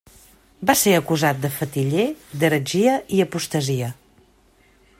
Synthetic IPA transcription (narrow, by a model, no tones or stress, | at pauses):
baseəkuzat̪̚d̪əfət̪iʎed̪əɾəʒiəʔiəpust̪əziə